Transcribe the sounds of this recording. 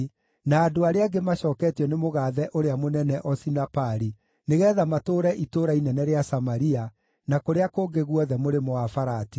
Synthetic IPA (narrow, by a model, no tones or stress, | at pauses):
naːdoaɾeaɡemaɕɔːkɛtjɔnemoɣaːðɛʔoɾeamonɛnɛʔɔsinapaɾi | neɣɛːðamatoːɾɛʔitoɾainɛnɛɾeasamaɾia | nakoɾeakoːɡeɣwɔðɛmoɾemoafaɾati̥